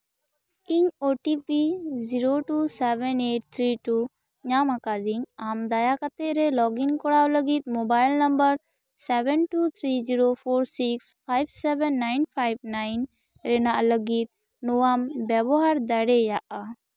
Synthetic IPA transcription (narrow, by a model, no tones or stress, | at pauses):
iɲoʈipiziɾoʈusɛbɛneʈ̚t̪ʰɾiʈu | ɲamakad̪iɲamd̪ajakat̪ɛʔɾɛlɔɡinkɔɽawləɡit̪̚mobajlnəmbəɾ | sɛbɛnʈut̪ʰɾid͡ʒiɾopʰoɾsikspʰajbsɛbɛnːajnpʰajb̚najn | ɾɛnaʔləɡit̪̚ | nuwambjɛbɔɦaɾd̪aɽɛjaʔa